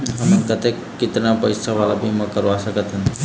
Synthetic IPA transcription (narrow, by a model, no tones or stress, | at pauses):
ɦəmənkət̪ekːɪt̪napəɪsʰaʋalabʱiməkəɾʋasəkət̪ɦən